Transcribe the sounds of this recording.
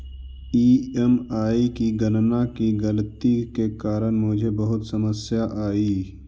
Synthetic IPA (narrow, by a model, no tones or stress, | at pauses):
iːemaːikiɡənnakiɡəlt̪ikekaːɾənmʊd͡ʒʱebəɦʊt̪səməsjaʔaːiː